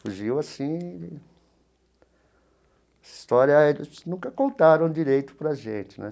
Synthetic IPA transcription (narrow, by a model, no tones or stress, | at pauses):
fuʒiwasĩd̪ɪ | ɛsɐst̪ɔɾjɐelɪsnũkɐkõnt̪aɾɐ̃w̃d͡ʒiɾejt̪ʊ̥pɾɐʒḛ̃nt͡ʃ̪ɪ̥nɛ̰̃